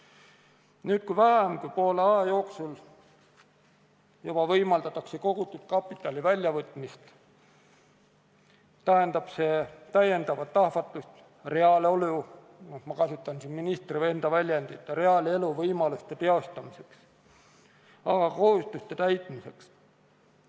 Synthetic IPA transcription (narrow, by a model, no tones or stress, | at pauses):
nyːt̪̚kujvæɦemkujpo̞ːleɑjɑjo̞ːksul | jub̥ɑvɤjmɑld̪̥ɑt̪ːˑɑkse̞ko̞ɡ̥ut̪ːˑut̪̚kɑpːˑit̪ːˑɑlivælʲjɑvɤt̪ːˑmist̪ | t̪æɦend̪̥ɑb̥se̞t̪æje̞nd̪ɑvɑt̪ːɑhvɑt̪ːˑust̪ | re̞ɑlolu | omɑkɑsut̪ːˑɑnsinminist̪rive̞nd̪̥ɑvælʲjend̪̥it̪ːˑɾe̞ɑle̞luvɤjmɑlust̪e̞t̪e̞o̞st̪ɑmise̞ks | ɑɡɑko̞hust̪ust̪e̞t̪æjt̪ˑmise̞ks